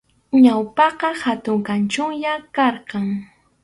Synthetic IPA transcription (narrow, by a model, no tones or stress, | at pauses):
ɲawpɑqɑhat̪ʊŋkant͡ʃʊŋjakɑɾqɑŋ